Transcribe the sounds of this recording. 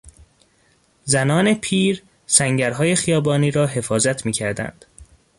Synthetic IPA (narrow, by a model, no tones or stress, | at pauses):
zænɒːne̞pʰiːɾ | sæŋɟæɾɦɒːje̞xijɒːbɒːniːɾɒːɦe̞fɒːzæt̪ʰmiːcʰæɾd̪æ̰nd̪̥